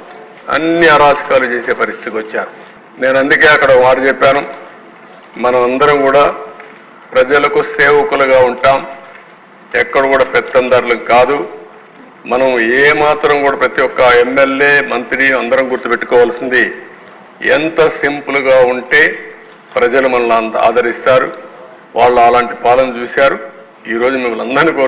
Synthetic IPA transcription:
ɐ̰nːiaːɾaːd͡ʒɐkaːlut͡ʃe̞ːse̞ːpɐɾist̪ʰi̥t̪iʋɐt͡ʃːaːɾu | ne̞ːnɐnd̪uke̞ːɐkːɐɽɐmaːɾit͡ʃepːaːnu | mɐnɐmɐnd̪ɐɾɐmkuːɽaː | pɾɐd͡ʒɐlɐkuseːʋɐkuluɡaːuɳʈaːm | ɛkːɐɽɐkuːɽaːpɛt̪ːɐnd̪ɐɾlɐnkaːd̪u | mɐnɐmeːmaːt̪ɾɐmkuːɽaːpɾɐt̪ijɔkːɐemːelje̞ːmɐnt̪ɾiɐnd̪ɐɾɐmɡuɾt̪ːupeʈːu̥kɔːʋɐlɐsind̪i | ɛ̰nt̪ɐsimpluɡaːuɳʈe̞ː | pɾɐd͡ʒɐlumɐnɐlna̰ːd̪ɐɾist̪aːɾu | ʋaːɭːuɐlaːɳʈipaːlɐnɐt͡ʃuːsaːɾu | iːɾo̞ːd͡ʒumimːɐlɐnd̪ɐɾniːko

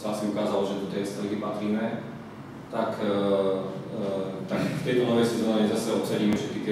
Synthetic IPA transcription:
saasiukaːzalɔʒɛt̪ɔt̪ɛst̪ɾɔɡipat̪ɾiːmɛ | t̪ak | t̪akft̪ɛjt̪ɔnɔʋɛjsɛzɔːɲɛzasɛɔt̪t͡sɛɾiːmɛʃɛt̪kit̪ɪɛ

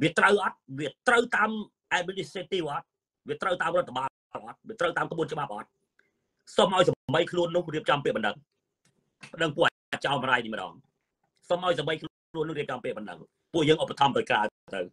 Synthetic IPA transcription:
ʋiət̪rəwʔɑt̪̚ʋiət̪rəwt̪aːm | ʔɛminiset̪iːʋʔɑt̪̚ | ʋiət̪rəwt̪aːmrŏət̪ʰːaɓaː | lʔɑt̪̚ʋiət̪rəwt̪aːmkʰɓuənt͡ɕəɓap̚ʔɑt̪̚ | somʔaɔjsamɓəjkʰluənːʊ̆hriəp̚t͡ɕɑmpiəʔɓɑnɗəŋ | pə̆ɗəŋpuəʔ | t͡ɕaɔmraːjnihməɗɑ̰ːŋ | somʔaɔjs̬aɓəjkʰl | kʰluənːʊ̆riəp̚t͡ɕɑmpiəʔ̚ɓɑnɗə̰ŋ | puəjəːŋʔopːat̪ʰɑmt̪əjkraːt̪ə̰w

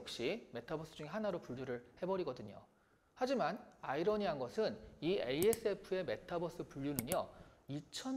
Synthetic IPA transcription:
k̚ɕ͈ime̞tʰabʌs͈ɯd͡ʑuŋe̞ɦanaɾopuʎːjuɾɯɭhe̞bʌɾiɡʌdɯɲo̰ | had͡ʑimanaiɾʌɲiɦanɡʌsʰɯnieie̞s͈ɯepʰɯe̞me̞tʰabʌs͈ɯpuʎːjunɯɲʌit͡ɕʰʌn

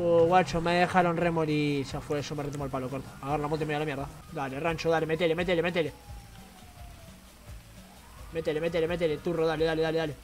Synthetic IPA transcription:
oɣwat͡ʃomeðexaɾonremolisafwesomeret̪umolpalokoɾt̪oaɣaɾlamot̪eimejlamjeɾðad̪alerant͡ʃoðalemet̪̬elemet̪̬elemet̪ele | met̪elemet̪̬elemet̪elet̪uroðaleðale̞ðale̞ðale

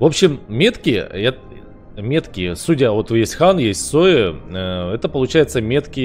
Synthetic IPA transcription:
vo̞pɕːɪmːʲe̞t̪kʲɪjə̰ɛt̪ | mʲe̞t̪kʲɪjəsudʲəvo̞t̪vɨjesʲtʲxanjesʲtʲsoɪ | ɛt̪əpəlˠʊt͡ɕæjɪt̪səmʲe̞t̪kʲɪ

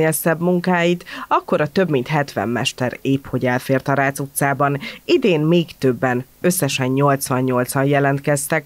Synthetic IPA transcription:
elsɛbmuŋkaːjit̪ɒkːo̞ɾɒt̪ø̞bmint̪ɦɛt̪ʋɛ̰mːɛ̰ʃt̪ɛɾeːpho̞ɟɛlfeːrt̪ɒɾaːt̪sut̪saːbɒnid̪eːnmeːkt̪ø̞bːɛnø̞sːɛʃɛɲɲo̞lt̪sʋɒɲːo̞lt̪sɒnjɛlɛnt̪kɛst̪ɛk

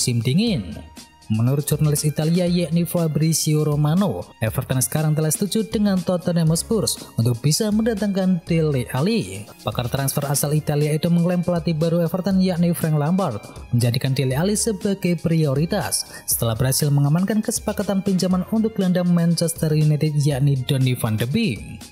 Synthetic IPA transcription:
simdiŋɪn | mənuɾʊt̪̚d͡ʒurnalɪsit̪aliajaʔnifabɾisioɾomanoʔɛfərt̪ansə̥kaɾaŋt̪̬əlahsə̥t̪ud͡ʒudəŋant̪ɔt̪ɔnɛmɔsbʊrsunt̪ʊk̚b̥isaməndat̪aŋkand̥eleʔalipakart̪ɾansfəɾasalit̪aliait̪uməŋlɛmplat̪ibaɾuɛfərt̪anjaʔnifɾɛŋlambart̪̚məɲd͡ʒadikandelealisəbaɡajpɾioɾit̪asː | ə̥t̪əlahbəɾɦasɪlməŋamankankəsə̥pakat̪anpiɲd͡ʒamanunt̪ʊk̚landaŋmant͡ʃɛst̪ərjunɛt̪ɪt̪̚jaʔnidɔnifandəbi

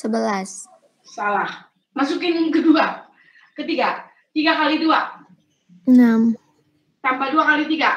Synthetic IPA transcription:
səbəlas | salah | masukɪnkədua | kət̪iɡa | t̪iɡakalidua | ənam | t̪ampaduakalit̪iɡa

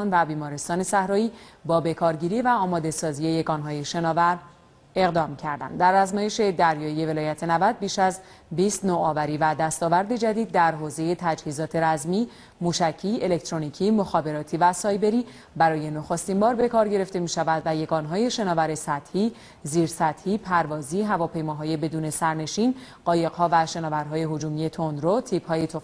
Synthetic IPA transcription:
nvæbiːmɒːɾe̞st̪ɒːne̞sæhɾɒːjiːbɒːbe̞kʰɒːɾɟiːɾivæɒːmɒːd̪e̞sɒːzie̞je̞ɡɒnɦɒːje̞ʃe̞nɒːvæɾ | e̞ɣd̪ɒːmcʰæɾd̪æ̰nd̪d̪ːæɾæznɒːje̞ʃe̞d̪æɾjɒːije̞ve̞lɒːjæt̪ʰe̞nævæd̪̚biːʃæz | biːst̪noɒːvæɾiːvæd̪æst̪ɒːvæɾd̪e̞d͡ʒæd̪iːd̪̚ːæɾɦoːze̞je̞t̪ʰæd͡ʒhiːzɒːt̪ʰe̞ɾæzmiː | muːʃæcʰiːe̞le̞kt̪ɾoniːcʰiːmoxɒːbe̞ɾɒːt̪ʰiːvæsɒːjbe̞ɾiː | bæɾɒːje̞noxost̪imbɒːɾbe̞kʰɒːɾɟe̞ɾe̞ft̪e̞miːʃævæd̪væje̞ɡɒːnɦɒːje̞ʃe̞nɒːvæɾe̞sæt̪hiː | ziːɾsæt̪hiːpʰæɾvɒːziːɦævɒːpʰe̞jmɒːɦɒːje̞be̞d̪uːne̞sæɾne̞ʃiːn | ɢ̥ɒːje̞ɡhɒːvæʃe̞nɒːvæɾɦɒːje̞ɦod͡ʒuːmije̞t̪ʰo̞nd̪ɾot̪ʰiːphɒːjet̪ʰo

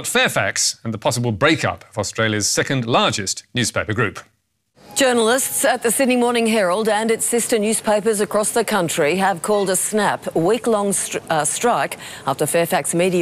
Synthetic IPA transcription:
ʌtfɛːfæ̰ksə̃nðəpʰɒsəbəlˠbɹeɪkʌ̰pʰəvɔstɹ̥eɪljəz̥sɛkə̃ndlɑɹd͡ʒɪsnjʉz̥pʰeɪpəɡɹʉˑp | d̥ʒ̥ɜ˞nl̩ˠɪstsɨt̪̚ðɨsɪdⁿnimɔɹnɪ̃ŋɦɛɹəl̩ˠdə̃nɨtsɪstə˞njʉz̥pʰeɪpə˞zəkʰɹ̥ɔsðəkʰʌ̃nt͡ʃɹ̥iəv̥kʰɔːlˠdəsnæpwiklɔ̃ŋstɹ̥aɪkɑftə˞fɛɹfæksmiɾi

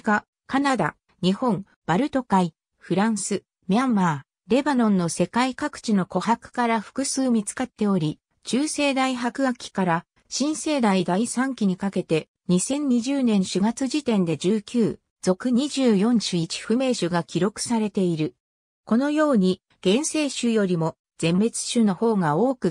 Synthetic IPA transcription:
ɡa | kanad̪a̰ | ɲ̟ihõ̞ɴ | b̥aɾɯ̟t̪o̞kai | ɸɯ̟ɾãɰ̃sɨ | mʲiamːaː | ɾe̞banõ̞nːo̞se̞kaikakɯ̟̥t͡ɕino̞ko̞hakɯ̟̥kaɾaɸɯ̥kɯ̟sɨːmʲit͡sɨ̥kat̪ːe̞o̞ɾʲi | t͡ɕɨːse̞ːd̪aiɦakɯ̟ɡakʲʰːi̥kaɾa | ɕĩɰ̃se̞ːd̪aid̪aisãŋkʲiɲ̟ikake̞t̪e̞ | ɲ̟isẽ̞ɲ̟ɲiʑɨːnẽ̞ɰ̃ɕɨɡat͡sɨʑit̪ẽ̞nd̪e̞d͡ʑɨːkʲɨː | d͡zo̞kɯ̟ɲ̟iʑɨːjõ̞ɲɕɨit͡ɕi̥ɸɯ̟me̞ːɕɨɡakʲiɾo̞kɯ̟̥saɾe̞t̪e̞iɾɯ̟ | ko̞no̞jo̞ːɲ̟i | ɡ̥ẽ̞ɰ̃se̞ːɕɨjo̞ɾʲimo̞ | d͡z̥ẽ̞mbe̞t͡sɨ̥ɕɨno̞ho̞ːɡao̞ːkɯ̟

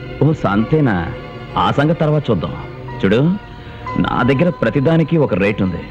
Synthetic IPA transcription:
oːsa̰ːnt̪ɛːnɐ̰ | a̰ːsɐŋɡɐt̪ːɐɾʋaːt̪ɐt͡ʃuːd̪ːɐ̰ːm | t͡ʃuɽu | nʔa̰ːd̪ɐɡːɐɾɐpɾɐt̪id̪aːnikiɔkɐɾeːʈund̪i

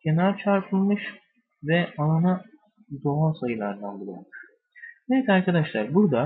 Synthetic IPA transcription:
cʲʰe̞naɾt͡ʃʰaɾpʰɯlˠmɯʃ | vɛalˠana | d̪o̞ansajɯlˠaɾd̪anbɯlˠa̰lmuʃ | nevɛt̪aɾkʰad̪aʃlˠaɾbuɾd̪a

